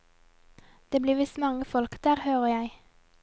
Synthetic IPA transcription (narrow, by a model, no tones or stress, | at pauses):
d̪̥eːbliːʋɪsmɑŋəfɔlkd̪̥æːʁhøːʁəjæɪ